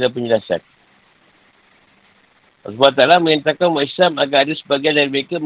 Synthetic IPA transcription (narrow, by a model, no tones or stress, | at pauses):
lap̬əɲd͡ʒəlasa̰t̪̚ | a̰subat̪alamə̃ɲant̪akanwaislamaɡaadasəbaɡajandaɾiməekam